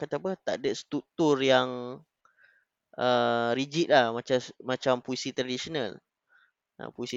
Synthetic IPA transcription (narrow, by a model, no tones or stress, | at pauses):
kat̪apət̪aʔdəst̪ɾuk̚t̪urjaŋ | ʔəɾid͡ʒit̪̚lahmãt͡ʃamat͡ʃampuisit̪ɾadisonal | ʔa̰poisi